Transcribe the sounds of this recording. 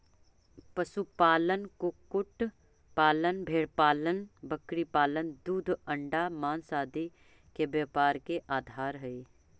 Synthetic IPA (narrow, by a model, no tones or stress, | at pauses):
pəsupaːlənkokʊʈ | paːlənbʱeːɽpaːlənbəkɽipaːlənd̪uːd̪ʱə̃ɳɖamaːnsaːd̪i | kebjəpaːɾkeʔaːd̪ʱaːɾɦəiː